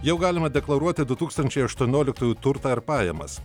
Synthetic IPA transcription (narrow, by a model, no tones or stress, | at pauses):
jɛʊɡɑːlʲɪmɐd̪ʲɛklˠɐɾuɔt̪ʲɪd̪ʊt̪uːkst̪ɐnʲt͡ʃʲɛɪɐʃt̪uɔnʲoːlʲɪk̚t̪uːjuːt̪ʊɾt̪ɑːɪɾpɑːjɛ̰mɐ̰s